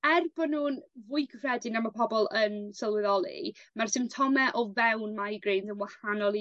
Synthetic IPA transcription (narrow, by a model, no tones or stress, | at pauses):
ɛrbɔnuːnvʊjkʰəfrɛdɪnamapʰɔbɔlˠənsəlˠwɪðɔlˠḭmarsɪmtʰɔmɛʔɔvɛwnmajɡrejnθənwahanɔlˠi